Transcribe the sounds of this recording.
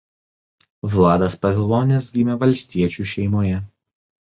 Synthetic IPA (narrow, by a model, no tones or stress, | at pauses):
ʋlˠɑːd̪ɐspɐʋʲɪlˠoːnʲɛsɡʲiːmʲɛʋɐlʲsʲt̪ʲiɛt͡ʃʲuːˑʃʲɛɪmoːjɛ